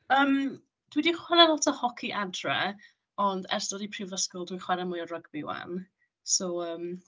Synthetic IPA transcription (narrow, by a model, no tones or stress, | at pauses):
əːm | d̥widiχwɛnɛnlˠɔtʰəhɔkʰiʔadrɛ̰ | ɔndɛ̰rsd̥ɔdipʰrɪvəskɔlˠdwiχwɛɾəmʊjɔrəɡbiwa̰n | soəːm